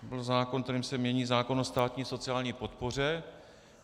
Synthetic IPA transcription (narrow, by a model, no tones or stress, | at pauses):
bɪlzaːkonkt̪ɛɾiːmsɛmɲɛɲiːzaːko̞nost̪aːt̪ɲiːso̞t͡sɪaːlɲiːpo̞t̪po̞r̝ɛ